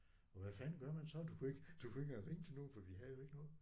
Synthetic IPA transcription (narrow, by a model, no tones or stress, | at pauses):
ɒʋæfænɡ̥ɶɐ̰mænsɒ̽d̥ukʰueɡ̥d̥ukʰue̝ɡ̥æʁeŋt͡sʰe̝lno̝ːfɒʋiɦæðˠjo̝e̝ɡ̥ənɔ̽ːð̩ˠ